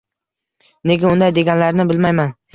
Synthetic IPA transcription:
ne̞ɡʲaʊnd̪ajd̪e̞ɡʲanlaɾnɪbɪlmajman

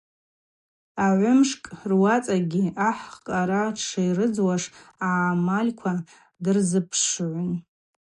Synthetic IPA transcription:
aʕʷʊmʂkʼrwat͡sʼaɡʲiaħqʼaɾaʈ͡ʂʰajrɨd͡zwaʂaamalʲkʷʰa | dɨrzɨpʰʂʕʷʊn

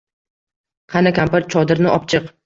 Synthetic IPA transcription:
qʰɑnakʲʰampaɾt̪̚t͡ʃʰɒd̪ɪɾnɪʔɒpt͡ʃʰɨq

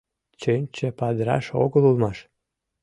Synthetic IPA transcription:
t͡ɕønʲt͡ɕĕpɑd̪ɾɑ̰ʃo̰ɣəlulmɑʃ

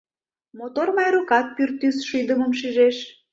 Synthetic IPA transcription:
mot̪ormɑjɾokɑt̪̚pyrt̪ːysʃyd̪əməmʃiʒeʃ

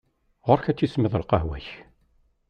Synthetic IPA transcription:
ʁʊɾçæt͡sːismɪðˤəlqɑɦwæç

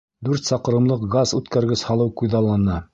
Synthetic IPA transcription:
d̪ʉɾt̪sɑqɤ̆ɾɤ̆mlˠɤqɡɑzʉt̪kæɾɡɘshɑlˠɤwqujðɑlˠːɑnɑ

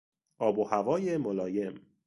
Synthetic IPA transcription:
ɒːbuhævɒːjemolɒːje̞m

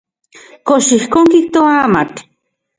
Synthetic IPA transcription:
koʃihkoŋkik̚t̪oamat

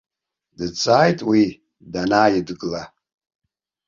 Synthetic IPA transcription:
dɨt͡sʼaːjtʼwi | danaːjɪdɡɨla

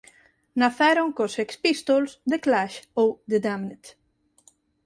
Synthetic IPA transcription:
naθɛɾoŋkosekspist̪olzd̪eklaʃowd̪ed̪amnet̪

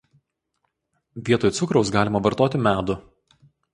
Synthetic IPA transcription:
ʋʲiɛt̪oːjt̪sʊkɾɒʊs̬ɡɑːlʲɪmɐʋɐɾt̪oːt̪ʲɪmʲæːd̪ʊ

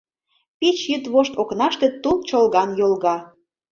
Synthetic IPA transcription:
pit͡ɕjyt̪βoʃt̪oknɑʃt̪ĕt̪ult͡ɕolɣɑnjolɣɑ

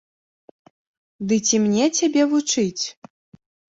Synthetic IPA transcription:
d̪ɨt͡sʲimnʲɛt͡sʲabʲɛvut͡ʂɨt͡sʲ

